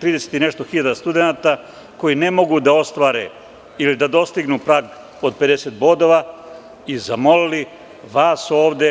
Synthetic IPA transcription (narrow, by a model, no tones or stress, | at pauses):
t̪ɾiːd̪e̞set̪ine̞ʃt̪oxiʎad̪ast̪ud̪enat̪a | ko̞jine̞mo̞ɡud̪ao̞st̪ʋaːɾe̞̰ | ilid̪ad̪o̞st̪iɡnupɾaːɡ | o̞d̪̚pe̞d̪e̞set̪̚bo̞d̪o̞ʋa | izamo̞lili | ʋaːso̞ːʋd̪e